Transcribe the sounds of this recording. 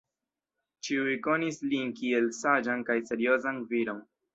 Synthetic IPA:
t͡ʃiujko̞nislinkie̞lsad͡ʒankajse̞ɾio̞zanviɾo̞n

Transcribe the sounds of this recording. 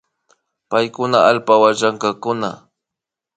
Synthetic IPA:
pajkʊnaalpawat͡ʃaŋkakʊna̰

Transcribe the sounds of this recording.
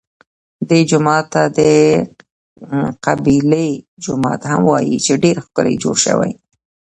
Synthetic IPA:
d̪ed͡ʒʊmɑt̪ːad̪ə | qabiled͡ʒʊmɑ̰t̪hamwɑjit͡ʃeɖeɾxkəla̰jd͡ʒoɽʃə̰wa̰j

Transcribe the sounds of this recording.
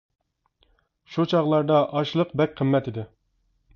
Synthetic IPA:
ʃut͡ʃʰɑʁlˠɑɾd̪ɑʔɑʃlˠəqbɛk̚ʲqʰəmːɛt̪id̪ɪ

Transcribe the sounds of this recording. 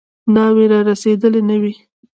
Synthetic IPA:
nɑweɾɑɾased̪əlenəwi

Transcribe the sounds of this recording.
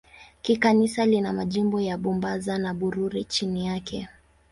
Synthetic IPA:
kikanisalinamaʄimbɔjaɓumbazanaɓuɾuɾit͡ʃinijakʰɛ

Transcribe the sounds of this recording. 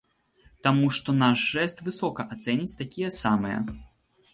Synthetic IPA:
t̪amuʂt̪ɔnaʂʐɛst̪vɨsɔkɐʔat̪sɛnʲit͡sʲt̪akʲijɐsamɨjɐ̰

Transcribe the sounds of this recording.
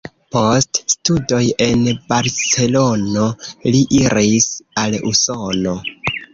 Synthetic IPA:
po̞ststudo̞je̞nbaɾse̞lo̞no̞liʔiɾisalṵso̞no̞

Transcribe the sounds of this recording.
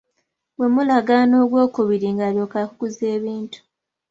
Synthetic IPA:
we̞mulaɡaːno̞ːɡwo̞ːkuβiɾiŋɡaːɾjo̞ːkakukuze̞ːβiːntu̥

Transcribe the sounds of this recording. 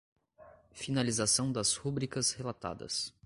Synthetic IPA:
finalizasɐ̃w̃d̪ɐshubɾikɐshelat̪a̰d̪ɐ̰s

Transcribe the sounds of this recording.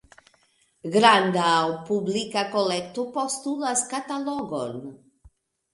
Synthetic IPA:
ɡɾandawpublikakolek̚topo̞stulaskataloɡo̰n

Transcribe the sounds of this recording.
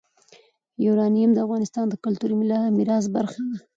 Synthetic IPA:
juɾɑnijamd̪əafɣɑnɪst̪ɑnd̪əkʊlt̪uɾimɪlamɪɾɑz̬baɾxad̪a

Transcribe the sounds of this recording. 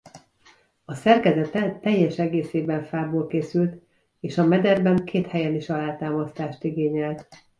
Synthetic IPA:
ɒsɛrkɛzɛt̪ɛt̪ːɛjːɛʃɛɡeːseːbɛɱfaːboːlkeːsylt̪ | eːʃɒmɛd̪ɛrbɛŋkʰeːt̪hɛjɛniʃɒlaːt̪aːmɒst̪aːʃt̪iɡeːɲɛlt̪

